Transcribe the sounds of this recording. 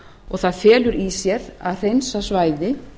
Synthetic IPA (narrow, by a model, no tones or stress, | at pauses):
ɔɣθaðfɛːlʏɾisjɛɾa̰ðr̥ejnsasvaːjðɪ